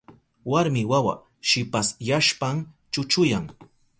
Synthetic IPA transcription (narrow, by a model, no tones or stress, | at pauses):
waɾmɪwawa̰ | ʃɪpasjaʃpam | t͡ʃʊt͡ʃʊjaŋ